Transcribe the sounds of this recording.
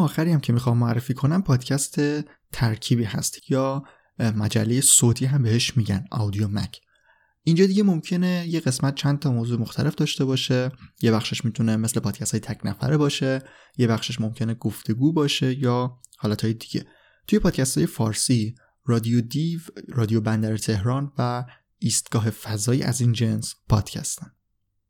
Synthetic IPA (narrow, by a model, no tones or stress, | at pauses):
ɒːxæɾijæmcʰe̞mixɒːmːoærːefiːkʰo̞næmpʰɒːd̪̥cʰæst̪ʰe̞ | t̪ʰæɾcʰibiːɦæ̰st̪jɒː | mæd͡ʒælːe̞je̞soːt̪ʰiːɦæmbe̞he̞ʃmiːɟæ̰nʔɒ̰wd̪iomæ̰cʰ | ʔind͡ʒɒːd̪iɟe̞momcʰe̞neje̞ɣe̞smæt̪̚t͡ʃʰæn̚t̪ʰɒːmoːzuːemoxt̪ʰæle̞fd̪ɒːʃt̪e̞bɒːʃe̞jebæxʃeʃmit̪ʰuneme̞sle̞pʰɒːd̪̥cʰæst̪ːjet̪ʰæcʰnæfæ̰ɾebɒːʃe̞ | je̞bæxʃeʃmo̞mcʰe̞neɡ̥oft̪ʰe̞ɡuːbɒːʃe̞jɒːhɒːlæt̪ʰɒːjed̪iɟ̥e̞̰ | t̪ʰuje̞pʰɒːd̪̥̚cʰæst̪hɒːje̞fɒːɾsi | rɒd̪iod̪ivɾɒːd̪ijobænd̪æɾet̪ʰe̞ɦɾɒːnvæ | iːst̪̚ɡ̥ɒːɦe̞fæzɒːjḭːʔæ̰zind͡ʒe̞nspʰɒ̰ːd̪̥cʰæ̰st̪æ̥n